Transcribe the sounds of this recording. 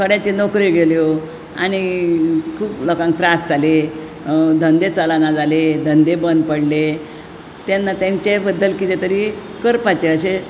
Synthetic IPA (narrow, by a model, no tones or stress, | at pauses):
kʰəɽjat͡ɕenɔkɾeɡʱeljo | a̰ñikʰuːplokãŋk̚t̪ɾasd͡zʱale | d̪ʱənd̪et͡səlanad͡zaled̪ʱənd̪ebənd̪̚pəɽle | t̪janːat̪jãɲt͡ɕebəd̪ːəlkit̪et̪əɾiː | kəɾpat͡ɕeəɕe